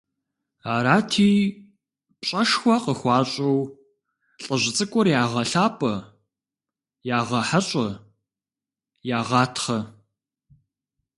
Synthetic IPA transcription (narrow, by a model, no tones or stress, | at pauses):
aːɾaːtʰiː | pɕʼɐʂxʷɔqəxʷɑːɕʼɐw | ɬʼɐʑʷɪt͡sʼɨkʷʼʊrjaːʁɐɬaːpʼɐ | jaːʁɐħaɕʼɐ | jaːʁɑːtʰχɐ